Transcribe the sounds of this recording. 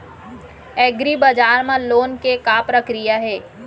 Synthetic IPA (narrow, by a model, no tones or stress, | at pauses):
ɛːɡɾibad͡ʒaːɾmãloːnkekaːpɾəkɾijaɦɛː